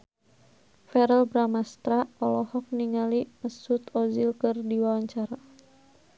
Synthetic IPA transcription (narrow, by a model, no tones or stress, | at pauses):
fɛɾəlbɾamast̪ɾapɔlɔhɔk̚niŋaliməsut̪ɔzilkɨrdiwawaɲt͡ʃaɾa